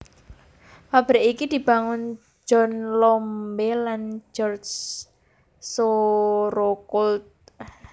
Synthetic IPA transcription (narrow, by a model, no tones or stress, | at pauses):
pab̥ɾeikid̪̥i̤b̥a̤ŋʊn | d͡ʒɔ̤nlɔmbeland͡ʒɔrd͡ʒ | soɾokult̪̚